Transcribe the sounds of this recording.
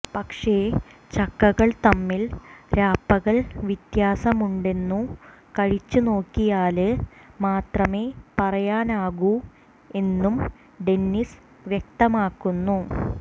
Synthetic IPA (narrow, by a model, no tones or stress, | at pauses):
pɐkʂe̞ːt͡ɕɐkːɐɣɐɭt̪ɐmːilɾaːpːɐɣɐɭʋit̪jaːsɐmuɳɖe̞nːukɐɻit͡ɕːuno̞ːkːijaːlɨmaːt̪rɐme̞ːpɐrɐjaːnaːɣu | e̞nːum | ɖe̞nːis | ʋjɐk̚t̪ɐmaːkːunːu